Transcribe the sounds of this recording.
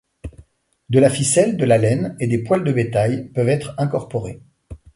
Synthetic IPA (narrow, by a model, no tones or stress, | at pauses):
d̪əlafisɛld̪əlalɛned̪epwald̪əbet̪ajpœvɛt̪χɛ̃kɔʁpɔʁe